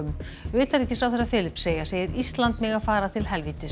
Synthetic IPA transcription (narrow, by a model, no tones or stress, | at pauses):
ʏm | ʏːt̪aɾɛhcːɪsawθɛsːafɪːlɪpseːjaseːjɪɾist̪lant̪mɪɣafaːɾat̪ʰɪlɦɛlviːt̪ɪ